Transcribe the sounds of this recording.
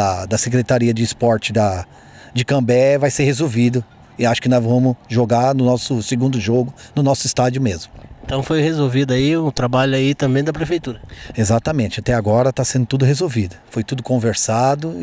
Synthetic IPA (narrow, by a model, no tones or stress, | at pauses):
ɐd̪ɐsekɾet̪aɾiɐd͡ʒɪːspɔɾt͡ʃɪd̪ɐ | d͡ʒɪkɐ̃bɛvajseɾhezowvid̪ʊ | ɪaʃʊ̥kɪnɔzvɐ̃mʊʒoɡaɾnʊnɔsʊsɪɡũnd̪ʊʒoɡʊnʊnɔsʊist̪ad͡ʒʊmezmʊẽnt̪ɐ̃w̃fojhezowvid̪ʊaiũt̪ɾabaʎʊait̪ɐ̃mbẽj̃d̪ɐpɾefejt̪uɾɐezat̪ɐmẽnt͡ʃɪat̪ɛaɡɔɾɐt̪asẽnd̪ʊt̪ud̪ʊɦezowvid̪ʊfojt̪ud̪ʊkõveɾsad̪ʊ